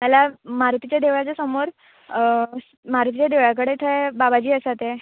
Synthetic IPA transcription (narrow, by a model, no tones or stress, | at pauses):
malamaɾut̪it͡ɕjad̪eʋɭat͡ɕasəmoɾ | maɾut̪it͡ɕjad̪eʋɭak̬əɽet̪ʰəebabad͡ʑiːəsat̪e